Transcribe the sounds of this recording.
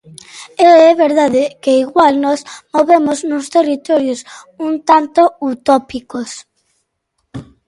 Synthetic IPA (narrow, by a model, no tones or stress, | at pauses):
eɛβeɾðaðɪkeiɣwalnɔsmoβemoznʊst̪erit̪ɔɾjʊsũnt̪ant̪out̪ɔpikos